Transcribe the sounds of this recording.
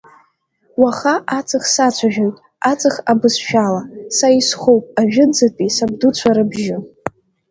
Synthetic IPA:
waχaʔat͡sʰɨχsat͡sʷʰaʒᶣojtʼ | at͡sʼɨχabɨsʃᶣalasajisχowpʼaʒᶣɪd͡zɨtʼisabdut͡ɕʷʰaɾɨbʒɪ

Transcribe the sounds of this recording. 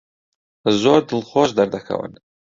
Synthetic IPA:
zoɾd̪əlχoːsd̪aɾd̪akʰa̰wə̰n

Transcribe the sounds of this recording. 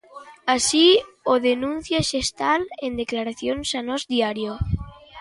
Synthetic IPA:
asioðenũnθjaʃest̪alend̪eklaɾaθjonsanozd̪jaɾjo

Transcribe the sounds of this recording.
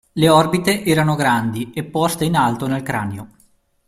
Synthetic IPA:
leɔrbit̪eʔɛːɾanoɡɾand̪iepːɔst̪einalt̪onelkɾa̰neo

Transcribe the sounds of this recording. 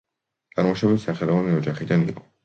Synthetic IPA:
ɡ̥aɾmɔʃabit̪saχɛlˠɔvaniɔd͡ʒaχid̪anḭqʼɔ̥

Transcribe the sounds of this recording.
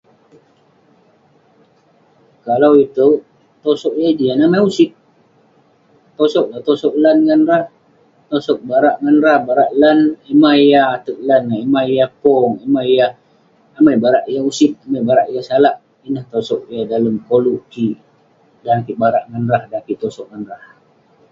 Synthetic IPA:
kalawit̪u | t̪osɔʔjad͡ʒianamajusɪp̪̚ | t̪osɔʔ̚lat̪osɔʔlanŋanɾah | t̪osɔk̚baɾaʔŋanrahbaɾaʔlanemaijaat̪əʔ̚lanaimaijapɔŋemaijaː | majbaɾaʔjausɪp̪̚amajbaɾaʔijasalaʔ | inaht̪osɔʔ̚jadaləmkoluʔki | dankiʔbaɾaʔŋanɾahdapiʔt̪osɔʔ̚ŋanɾah

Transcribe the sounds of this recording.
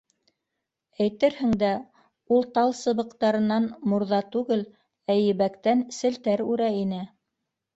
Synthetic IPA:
æjt̪ɘɾhɘ̆ŋd̪æ | ulˠt̪ɑlˠsɤ̆βɤ̆qt̪ɑɾɤ̆nɑnmŏɾðɑt̪ʉɡɘl | æjɘ̆βækt̪ænsɘ̆lt̪æɾʉɾæinɘ

